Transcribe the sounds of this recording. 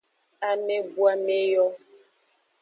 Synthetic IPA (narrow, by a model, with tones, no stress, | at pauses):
a˨me˦bu˦a˨me˦jɔ˦